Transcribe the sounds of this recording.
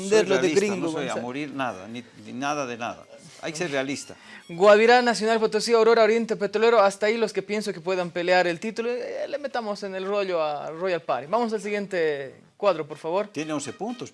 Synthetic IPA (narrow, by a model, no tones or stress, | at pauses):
nd̪eɾloðeɡɾiŋdoamoɾiɾnaða̰nininaðaðena̰ða̰ | a̰jkeserealist̪a | ɡwaβiɾanasjonalp̬ot̪osiaoɾoɾaoɾje̞nt̪epet̪ɾoleɾoast̪ailoskepje̞ns̬okepwe̞ðampeleaɾelt̪it̪ulolemet̪amosenelroʎoarojalpaɾiβamos̬als̬iɣje̞nt̪e | kwaðɾopoɾfaβo̞ɾjeneonsepunt̪os